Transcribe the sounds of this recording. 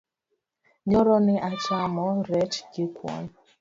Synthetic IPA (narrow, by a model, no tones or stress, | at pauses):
ɲɔɾɔnɪʔat͡ʃamɔɾɛt͡ʃɡikʰwɔ̰n